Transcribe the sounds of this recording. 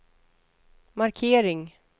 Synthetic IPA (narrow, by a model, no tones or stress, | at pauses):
maɾkʰeːɾɪŋ